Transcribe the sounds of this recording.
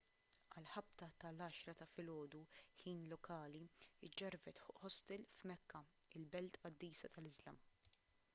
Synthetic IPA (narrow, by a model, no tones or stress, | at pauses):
ɐlħɐp̚t̪ɐt̪ɐlɐːʃɾɐt̪ɐfɪlɔːd̪uħiːnlɔkɐːliɪd͡ʒːɐɾvɛt̪ħʊʔħɔst̪ɛlfmɛkːɐ | ɪlbɛlt̪ɐd̪ːiːsɐt̪ɐlɪzlɐm